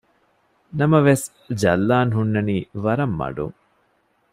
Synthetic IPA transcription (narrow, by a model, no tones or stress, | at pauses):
nɐmɐʋes | d͡ʒɐlːaːnɦunːɐniːʋɐɾɐmːɐ̰ɖṵŋ